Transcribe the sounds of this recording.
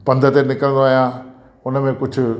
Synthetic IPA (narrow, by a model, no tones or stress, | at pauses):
pɐ̃nd̪ʱət̪enɪkəɾə̃nd̪oaːɦijã | ʊnəmẽkʊd͡ʑʱʊ̆